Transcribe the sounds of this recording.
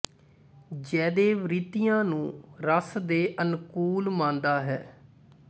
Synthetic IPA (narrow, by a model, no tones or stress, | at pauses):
d͡ʒɛːd̪eːʋɾiːt̪ijãːnũːɾəsd̪eːʔənkuːlmãːnd̪aːɦɛː